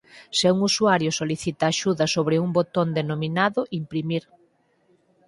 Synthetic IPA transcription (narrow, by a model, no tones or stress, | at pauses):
seuŋusuaɾjʊsoliθit̪aːʃuðɐsoβɾɪuŋbot̪ond̪enomĩnaðʊʔimpɾimiɾ